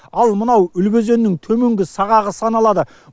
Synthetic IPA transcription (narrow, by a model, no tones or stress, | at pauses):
ɑlˠmənɑwʏlbeze̞nːɪŋt̪ʰɵme̞ŋɡʲɪsɑʁɑʁəsɑnɑlˠɑd̪ə